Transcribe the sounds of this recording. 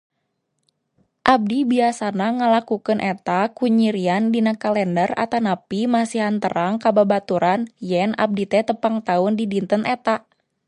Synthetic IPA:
ʔab̚dibiasanaŋəlakukənʔɛt̪akuɲiɾiandinakalɛndəra̰t̪anapimasiɦant̪əɾʔaŋkababat̪uɾanjɛnʔa̰b̚dit̪ɛt̪əpaŋt̪aʊndidint̪ənʔɛt̪a

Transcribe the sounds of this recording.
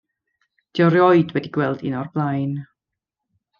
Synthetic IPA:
d̥iɔɾjɔjdwɛdiɡwɛlˠdinɔrblˠajn

